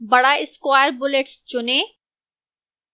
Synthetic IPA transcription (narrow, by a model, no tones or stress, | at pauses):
bɐɽaɪskwaːjəɾbʊleʈst͡ʃʊnẽː